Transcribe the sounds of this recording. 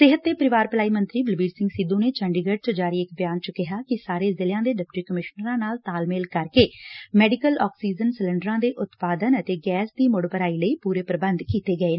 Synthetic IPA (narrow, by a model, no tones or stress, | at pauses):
sɪɦət̪̚d̪eːpəɾɪʋaːɾpəlaːiːmə̃nt̪ɾiːbɪlbiːɾsɪ̃ŋɡsɪd̪ũːneːt͡ʃəɳɖiɡəɖ̚t͡ʃod͡ʒaːɾiːɪkbjaːnt͡ʃəkɪɦaːkɪsaːɾeːzɪljãːd̪eːɖɪp̚ʈiːkəmɪʃnəɾãːnaːlt̪aːlmeːlkəɾkeːmɛːɖɪkəlɔːksiːd͡ʒənsələ̃ɳɖəɾãːd̪eːʔʊt̪paːd̪ənət̪eːɡɛːsd̪iːmʊɽbəɾaːiːləiːpuːɾeːpɾəbə̃nd̪kiːt̪eːɡəeː